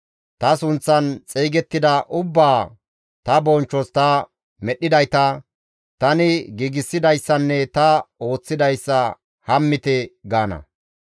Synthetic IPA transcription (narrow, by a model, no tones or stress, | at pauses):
t̪ɐsʊnt͡sːɐnt͡sʼeːɡɛt̪ːɪd̪ɐʔʊbːaː | t̪ɐbɔnt͡ʃːɔst̪ɐ | mɛɗːɪd̪ɐjt̪ɐ | t̪ɐnɪɡiːɡɪsːɪd̪ɐjsːɐnːɛt̪ɐo̞ːt͡sːɪd̪ɐjsːɐ | hɐmːɪt̪ɛɡaːnɐ̰